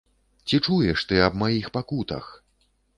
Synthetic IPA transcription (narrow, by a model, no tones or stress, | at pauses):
t͡sʲit͡ʂujɛʂt̪ɨɐbmajixpakut̪ɐ̰x